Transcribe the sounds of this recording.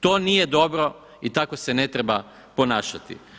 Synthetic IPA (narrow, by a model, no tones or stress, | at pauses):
t̪o̞ːnije̞d̪o̞bɾo̞ | it̪ako̞se̞ne̞t̪ɾeba | po̞naːʃat̪ḭ